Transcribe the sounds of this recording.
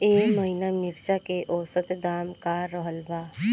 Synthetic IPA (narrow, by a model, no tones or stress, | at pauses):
eːməɦinamɪɾt͡ʃakeʔɔːsət̪d̪aːmkaɾɔɦəlbaː